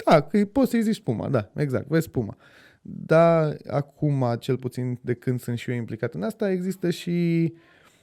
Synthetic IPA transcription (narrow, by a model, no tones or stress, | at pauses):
d̪̥akɨjpo̞t̪səjzit͡ʃspuma̰d̪ae̞ɡza̰k̚t̪vespuma̰ | d̪aa̰kʰumat͡ʃe̞lput̪sind̪e̞kɨnd̪sɨnt̪ʃioimplikat̪ɨnast̪ae̞ɡzist̪əʃi